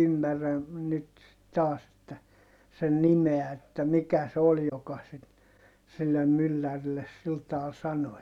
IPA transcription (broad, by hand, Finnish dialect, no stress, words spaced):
ymːærːæ nyt tɑːs etːæ sen nimeæ etːæ mikæ se ol jokɑ sit silːem mylːærilːes sil tɑːl sɑno